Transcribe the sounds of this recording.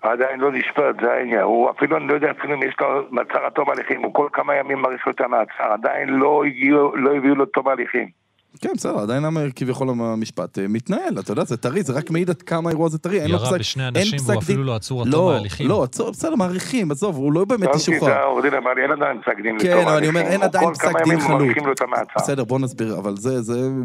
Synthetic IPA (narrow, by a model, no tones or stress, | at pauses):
ad̪ajinlo̞niʃpat̪zea̰injanhua̰filuanilojod̪ɛafiluimjeʃlomat͡saʁat̪omaliχimukolkamajamimːaʁiχot̪eʁmaat͡saʁad̪ainlo̞iɡiulo̞iviulot̪omaliχim | kenbesedeʁad̪ajinamekivjaχo̞laamiʃpa̰t̪emit̪nae̞lat̪ajod̪azet̪aʁizeʁakmeid̪ad̪kamaeʁuazet̪aʁienlosaknensakd̪iulollo̞at͡suʁbese̞d̪e̞ʁmaːʁiχimazovuloajubeːmet̪iʃuaaoʁd̪imemalienad̪ajinpsakd̪imlekenavaalanioeenad̪ajonlpkaakajamimχaaʁiimlot̪ameat͡sabḛsedeʁbo̞nazbiʁa̰valzeze